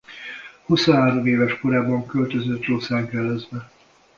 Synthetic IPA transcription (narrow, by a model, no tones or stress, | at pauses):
husoɦaːɾomeːvɛʃko̞ɾaːbɒŋkølt̪øzøt̪roːsaːŋkɛlɛzbɛ